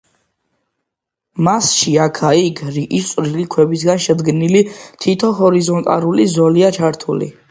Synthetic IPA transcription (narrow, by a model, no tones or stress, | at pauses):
masʃiakʰaiɡɾiʔistsʼɾilikʰwɛbis̬ɡanʃɛd̪ɡnilit̪ʰit̪ʰɔɦɔɾizɔnt̪ʼa̰ɾulizɔliat͡ʃʰaɾt̪ʰulḭ